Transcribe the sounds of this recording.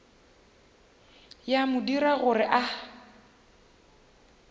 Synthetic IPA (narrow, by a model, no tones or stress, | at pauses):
jamʊdiɾaɣʊɾɪʔa